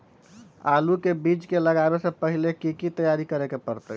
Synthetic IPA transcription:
alukebit͡ʃkeləɡabesə̃pəɦilekikit̪əjaɾikəɾekepəɾt̪ə̰ɦ

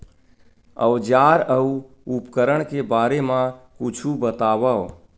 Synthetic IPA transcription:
ə̰d͡ʒaɾəu | upkəɾəɽ̃kebaːɾemãkut͡ʃʰubət̪aːbə

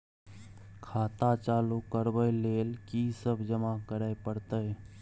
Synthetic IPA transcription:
kʰaːt̪at͡ʃaːlukəɾbəjleːlkisəbʱd͡ʒəmakəɾaepəɽt̪əe

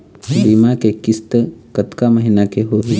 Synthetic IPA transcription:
biːmakekɪst̪əkɐt̪kaməɦinakeɦoːɾ

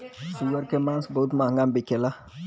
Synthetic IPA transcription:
siwɛɾkɛmãnsbot̬umããŋɡambɛkɛla

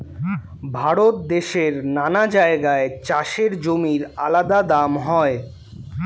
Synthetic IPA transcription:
bʱaɾot̪̚d̪eʃeɾnanad͡ʑaeɡaet͡ɕaʃeɾd͡ʑomiɾa̰lad̪ad̪amɦɔe

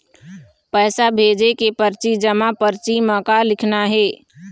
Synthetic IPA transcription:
pəːsabʱeːd͡ʒekepəɾt͡ʃid͡ʒəmapəɾt͡ʃiməkalɪkʰnaɦeː

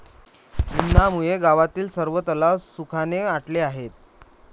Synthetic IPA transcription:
inːamujeɡaʋat̪iːlsəɾʋət̪əlasukʰaneaʈleaɦet̪̚

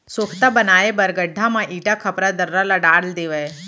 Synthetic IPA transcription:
sokʰt̪abənaːjebəɾɡəɖʱːãmãʔiːʈakʰəpɾad̪əɾːalaɖaːɽld̪eːʋəj

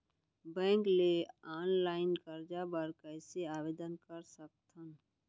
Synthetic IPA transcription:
bɛ̃ŋkleanlaɪnkəɾd͡ʒabəɾkəɪseabed̪ənkəɾsək̚t̪ʰən

